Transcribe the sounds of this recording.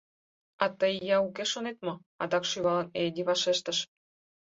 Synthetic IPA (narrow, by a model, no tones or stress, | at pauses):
ɑt̪əjjːɑukeʃonet̪̚mŏ | ɑd̪ɑkʃyβɑləned̪iβɑʃeʃt̪ə̆ʃ